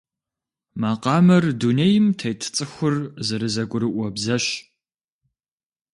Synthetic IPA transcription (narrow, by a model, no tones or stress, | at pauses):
maːqɑːmɐrdunejmtʰɐjtʰt͡sʼɨxʷʊrzɐɾɨzɐkʷʼʊɾɨʔʷɔbzɐɕ